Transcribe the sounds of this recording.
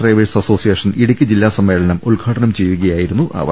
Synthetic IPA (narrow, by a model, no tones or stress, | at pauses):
reːʋisɐso̞ːsijeːʂɐniɽukʲːɨd͡ʑilːaːsɐmːe̞ːɭɐnɐmuɭɡʱaːʈɐnɐmt͡ɕe̞jːuɣɐjaːjiɾunːuʔɐ̰ʋɐ̰